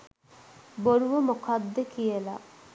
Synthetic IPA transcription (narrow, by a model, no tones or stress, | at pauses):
boɾuʋomokʰad̪ːekijela̰